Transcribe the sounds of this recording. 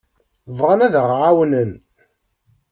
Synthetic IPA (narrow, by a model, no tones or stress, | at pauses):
vʁɑnæðəʁʕawnən